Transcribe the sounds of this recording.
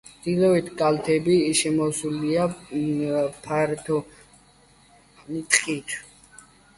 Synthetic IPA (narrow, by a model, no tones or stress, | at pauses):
d̪̥ilɔit̪ʰɡʼalt̪ʰɛbiʃɛmɔsulia | pʰaɾt̪ʰɔ | nit̪ʼqʼit̪ʰ